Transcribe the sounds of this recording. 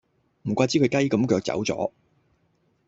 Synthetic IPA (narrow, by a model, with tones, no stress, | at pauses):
m̩˨˩kʷaː˧t͡si˨˥kʰɵ˨˧ɥkɐ˥jkɐ˨˥mkœː˧k̚t͡sɐ̰˨˥wt͡sɔ̰ː˨˥